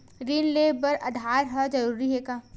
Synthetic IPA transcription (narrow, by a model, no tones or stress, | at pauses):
ɾiːnleːbɐɾɐ̰d̪ʱaːɾɦɐd͡ʒɐɾuːɾiɦeːkaː